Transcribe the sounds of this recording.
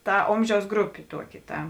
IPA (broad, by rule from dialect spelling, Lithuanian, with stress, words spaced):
ˈtɐ ˈoːmʲˌʒʲɛʊs ˈɡrʊpʲeː ˈtuɔˌkʲɪ ˈtɐ